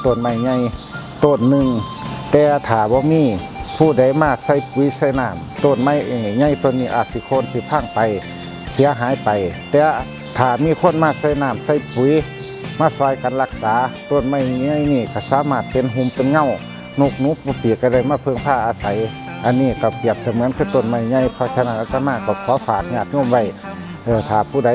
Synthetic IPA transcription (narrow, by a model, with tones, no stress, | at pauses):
t̪o˧˩˨nma˧˩˨jɲa˧˩˨j | t̪oː˧˩˨nːɯ˧˨ŋ | t̪ɛː˧t̪ʰaː˨˩bɔː˧˦miː˧˥˨ | pʰuː˧˩˨da˧˩˨jmaː˧˩sa˧˩jpu˨˦jsa˧˩jnaː˧˩m | t̪oː˧˩˨nma˧˩jɲa˧˩jt̪o˧˨nːiː˧˩ʔa̰ː˧˩t̪̚si˧˦kʰoː˧˥˨nsi˧˦pʰaː˧˥˨ŋpa˨j | si˨˦ɐɦaː˨˦jpa˨jt̪ɛː˧ | t̪ʰaː˨˩miː˧˥˨kʰo˧˥˨nmaː˧˨sa˧˩˨jnaː˧˩˨msa˧˥˨jpu˧˨˦j | maː˧˥˨sɔː˧˩jka˨nla˧k̚saː˨˦t̪o˧˥˨nma˧˨jɲa˧˨jniː˧˩˨ka˧˩saː˧˦maː˧˩t̪̚pe˨nɦu˧˨mpe˨nŋa˧˨w | nu˧˩k̚nuː˧˥˦pu˧˦piː˨˩kːa˧˩da˧˩jmaː˧˥˩pʰɤ˧˨ŋpʰaː˧˩ʔaː˧sa˨˦j | ʔa˧˨nːiː˧˩ka˧˩pi˧˩əp̚sa˧˦mɯ˨˧˦ənkʰɯː˧˩˨t̪o˧˨nma˧˩jɲa˧˩˨jpʰɔ˧˩tʰa˧naː˧˩ʔaː˧t̪a˧maː˧˩˨ka˧˩kʰɔː˨˦faː˨˩k̚ɲaː˧˩t̪̚ɲo˧˨mwa˧˩j | ʔɤː˧˩t̪ʰaː˨˩pʰuː˧˩da˨˦